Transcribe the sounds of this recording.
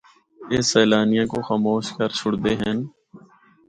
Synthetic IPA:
eːsɛːlaːnijãkoxaːmoːʃkəɾt͡ʃʰʊɽd̪eɦɛ̃ːn

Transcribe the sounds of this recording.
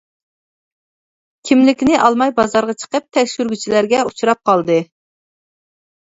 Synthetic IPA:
kʲʰimlɪkʲnɪʔɑlˠmɑjbɑzɑɾʁɑt͡ʃʰə̥qəp̚t̪ʰɛkʲʃyɾɡʲyt͡ʃʰilæɾɡʲɛut͡ʃʰuɾɑp̚qʰɑlˠd̪ɨ

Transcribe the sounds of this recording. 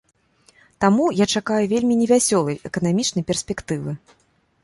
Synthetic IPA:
t̪amujat͡ʂakajuvʲelʲmʲinʲɛvʲasʲɔlˠɐjɛkɐnamʲit͡ʂn̪ɐjpʲɛrsʲpʲɛkt̪ɨvɨ

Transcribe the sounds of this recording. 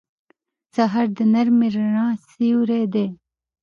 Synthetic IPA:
sɐɦɐɾd̪ənɐɾmiɾɳãːsiuɾeːd̪eː

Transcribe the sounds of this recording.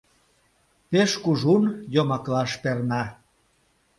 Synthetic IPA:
peʃkuʒunjomɑklɑʃpernɑ

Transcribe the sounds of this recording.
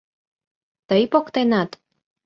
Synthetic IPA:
t̪əjpokt̪enɑt̪

